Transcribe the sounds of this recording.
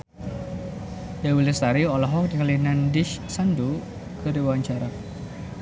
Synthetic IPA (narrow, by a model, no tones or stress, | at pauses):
jawilɛst̪aɾiɔlɔɦɔk̚dikəlinandɪʃsandu | kəɾiwaɲt͡ʃaɾa